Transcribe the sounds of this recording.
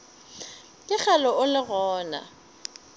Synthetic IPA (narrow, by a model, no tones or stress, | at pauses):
kʼɪk͡xalɔʔʊlɪɣɔːna̰